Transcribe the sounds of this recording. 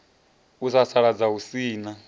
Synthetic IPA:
usasaɺad͡zausiːna

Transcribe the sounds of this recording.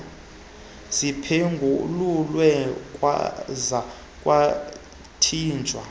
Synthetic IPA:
z̥ipʰeŋɡʱululwɛkʼwa̰za | kʼwa | tʰiːnd͡ʒʱwa

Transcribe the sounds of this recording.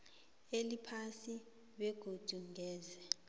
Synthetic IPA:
elipʰasi | ɓɛɡ̥ʱod̥ʱuŋɛːzɛ

